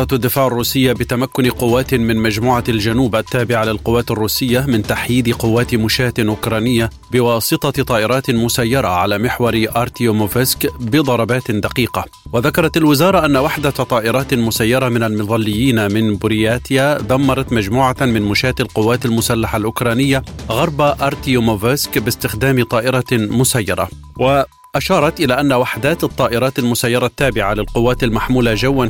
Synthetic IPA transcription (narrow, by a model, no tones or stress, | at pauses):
ɑt̪ʔad̪ːɪfaːʕarˤːuːsɪjːabɪt̪amakːʊnqʊwːaːt̪mɪnmad͡ʒmuːʕald͡ʒanuːbʔat̪ːaːbɪʕalɪlqʊwːaːt̪arˤːuːsɪjːamɪnt̪aħjiːd̪ɪqʊwːaːt̪mʊʃaːt̪ɪʔʊkɾˤɑːnɪjːa | bɪwɑːsˤɨt̪ˤɑt̪ˤɑːʔɪɾˤɑːt̪mʊsajːɑɾˤɑʕalaːmɪħwɑɾʔɑɾˤt̪iomovɪskbɪd̪ˤɑɾˤɑbaːt̪d̪aqiːqa | waðakɑɾˤɑt̪alwɪzɑːɾˤɑʔanːawaħd̪at̪ˤɑːʔɪɾˤɑːt̪mʊsajːɑɾˤɑmɪnalmɪðˤɑlːɪjːiːnamɪnbʊɾɪjaːt̪jaðɑmːɑɾˤɑt̪mad͡ʒmuːʕamɪnmʊʃaːt̪ɪlqʊwːaːt̪almʊsalːaħalʔʊkɾˤɑːnɪjːaɣɑɾˤbaʔɑɾˤt̪ijomovɪskbɪst̪ɪxd̪aːmt̪ˤɑːʔɪɾˤɑmʊsajːɑ̰ɾˤɑ̰ | wa | ʔaʃɑːɾˤɑt̪ʔɪlaːʔanːawaħd̪aːt̪ɑt̪ˤːɑːʔɪɾˤɑːt̪almʊsajːɑɾˤɑt̪ːaːbɪʕalɪlqʊwːaːt̪almaħmuːlad͡ʒawːan